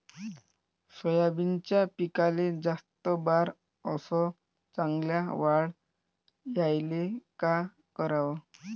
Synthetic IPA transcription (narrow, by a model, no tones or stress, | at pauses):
sɔjabint͡ɕjapikaled͡zast̪ɔbaɾ | əsɔ | t͡sãŋɡljaʋaɽ | jajleka | kəɾaʋɔ